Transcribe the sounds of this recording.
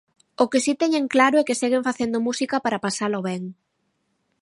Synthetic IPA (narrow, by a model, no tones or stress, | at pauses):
okɪsit̪ɛɲeŋklaɾʊɛkeseɣeɱfaθend̪omusikɐpaɾɐpasaloβɛŋ